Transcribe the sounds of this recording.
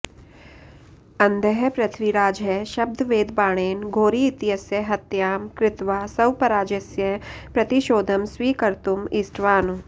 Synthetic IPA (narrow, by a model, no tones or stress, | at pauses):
ɐ̃nd̪ʱəɦpɾɐt̪ʰʋiɾaːd͡ʒɐʃɐb̚d̪ʱʋeːd̪baːɽ̃eːnɡʱoːɾiːt̪ɪjɐsjɐɦɐt̪jaːmkɾɪt̪ʋaːsɐwpɐɾaːd͡ʒɐsjɐpɾɐt̪iʃoːd̪ʱɐmsʋiːkɐɾt̪umɪsʈʋaːnu